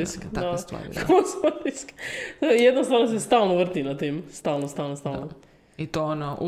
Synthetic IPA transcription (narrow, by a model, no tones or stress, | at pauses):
isk̪ast̪a̰ɾkʰospadisk̪jed̪nost̪ʋaɾnos̬est̪alˠnoʋr̩t̪inat̪imst̪alnost̪alnost̪alno | it̪onoʔu